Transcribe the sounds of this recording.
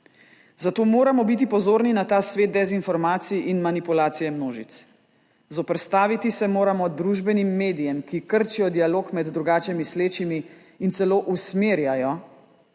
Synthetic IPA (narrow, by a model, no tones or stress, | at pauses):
zat̪oːmoːɾamɔbit̪̬ipɔzoːɾninat̪aːsʋeːt̪̚d̪ɛzinfɔɾmaːt̪sijʔinmanipulaːt̪sijɛmnoːʒḭt̪s | zɔpɾɛt̪st̪aːʋit̪isɛmoːɾamɔd̪ɾuʒbɛnimːeːd̪ijɛmkikəɾt͡ʃijɔd̪ialoːkmɛd̪ːɾuɡaːt͡ʃɛmisleːt͡ʃimi | insɛloːʔusmeːɾjajɔ